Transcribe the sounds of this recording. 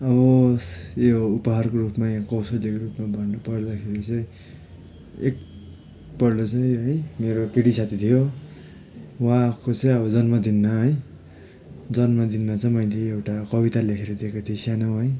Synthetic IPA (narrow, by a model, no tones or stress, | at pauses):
ʌβʌjoupʌɦarkorupmakʌwsʌlikoɾupmabʱʌnnupʌɾd̪akʰeɾit͡sʌ̃ĩ | ek̚ | pʌɾlot͡sʌj̃ɦʌjmeɾokeɽisat̪ʰit̪ʰijo | wakot͡sʌj̃ʌbʌd͡zʌnmʌd̪inmaɦʌj | d͡zʌnmʌd̪inmat͡sʌj̃mʌjleewʈakʌbit̪alekʰeɾʌd̪ekot̪ʰiʌ̃sjanawɦʌj